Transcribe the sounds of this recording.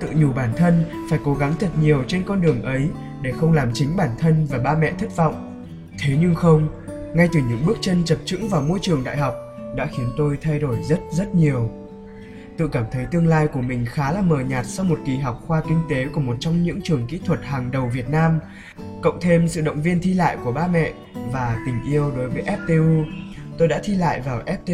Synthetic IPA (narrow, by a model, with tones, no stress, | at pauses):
t̪ɨ̰˧˨ɲu˨˩ɓaː˧˩nt̪ʰə˧n | faː˧˩jko˨˦ɣa˨˦ŋt̪ʰə˨˩t̚ɲi˨˩əwt͡ɕe˧nkɔ˧nɗɨ˨˩əŋʔə˨˦j | ɗe˧˩xə˧wŋ͡mlaː˨˩mt͡ɕï˨˦ŋ̟ɓaː˧˩nt̪ʰə˧nvaː˨˩ɓaː˧mɛ̰˧˨t̪ʰi˦˥k̚vɔ̰˧˨wŋ͡m | t̪ʰe˨˦ɲɨ˧ŋxə˧wŋ͡m | ŋa˧jt̪ɨ˨˩ɲɨ̰˧˥ŋɓɨ˦˥ək̚t͡ɕə˧nt͡ɕə˨˩p̚t͡ɕɨ̰˧˥ŋvaː˨˩wmo˧jt͡ɕɨ˨˩əŋɗa̰ː˧˨jɦɔ˨˩wk͡p̚ | ɗa̰ː˧˥xi˨˦ənt̪o˧jt̪ʰa˧jɗo˧˩jzə˦˥t̚zt̚ɲi˨˩əw | t̪ɨ̰˧kaː˧˩mt̪ʰə˨˦jt̪ɨ˧əŋlaː˧jku˧˩əmï˨˩ŋ̟xaː˨˦laː˨˩məː˨˩ɲaː˨˩t̚sɔ˧wmo˨˩t̚ki˨˩ɦa˨˩wk͡p̚xwaː˧kï˧ŋ̟t̪e˨˦ku˧˩əmo˨˩t̚t͡ɕɔ˧wŋ͡mɲɨ̰˧˥ŋt͡ɕɨ˨˩əŋkḭ˧˥t̪ʰwə˨˩t̚haː˨˩ŋɗə˨˩wvi˨˩ət̚naː˧m | kə̰˧˨wŋ͡mt̪ʰe˧msɨ̰˧˨ɗə̰˧˨wŋ͡mvi˧ənt̪ʰi˧la̰ː˧˨jku˧˩əɓaː˧mɛ̰˧˨ | vaː˨˩t̪ï˨˩ŋ̟ʔi˧əwɗo˨˦jvəː˨˦jʔɛ˦˥p̚t̪e˧ʔu˧t̪o˧jɗa̰ː˧˥t̪ʰi˧la̰ː˧˨jvaː˨˩wʔɛ˦˥p̚t̪e˧